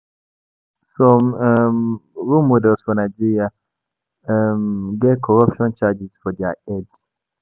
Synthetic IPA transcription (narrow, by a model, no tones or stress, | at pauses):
sɔmmɹumudɛsfɔnad͡ʒiɹia | mɡɛkʰɔɹapʃɔ̃nt͡ʃad͡ʒisfɔdaɛd